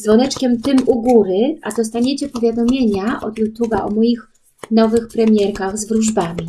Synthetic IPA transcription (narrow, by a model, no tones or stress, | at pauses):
zvɔnɛt͡ʂkʲɛmt̪ɘmuɡuɾɘad̪ɔst̪aɲet͡ɕɛpɔvʲjad̪ɔmʲjeɲaʔɔ̰d̪jut̪ubaʔɔmɔjix | nɔvɘxpɾɛmʲjɛɾkaɣzvɾuʐbamʲi